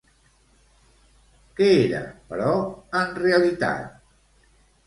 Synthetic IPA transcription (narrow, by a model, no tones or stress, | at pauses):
kɛeɾə̰pəɾɔənreəlit̪a̰t̪̚